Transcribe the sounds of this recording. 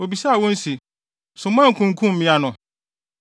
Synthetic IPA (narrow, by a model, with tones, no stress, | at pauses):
o˨bi˨sa˦a˨wɔ̃˦n̩˦si˨ | sʊ̃˨mã˦ŋ̩˨kʰũ˨ŋ̩˨kʰũ˦m˨mĩ˦a˦nʊ̃˨